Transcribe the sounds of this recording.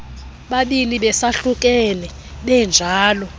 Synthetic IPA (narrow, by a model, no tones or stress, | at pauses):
ɓaɓiliɓɛsaɬuk̬ʼɛnɛ | ɓɛnd͡ʒʱaːlɔ